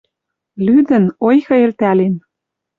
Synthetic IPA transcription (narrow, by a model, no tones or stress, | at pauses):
lyd̪ə̆nojxɤ̆elt̪ælen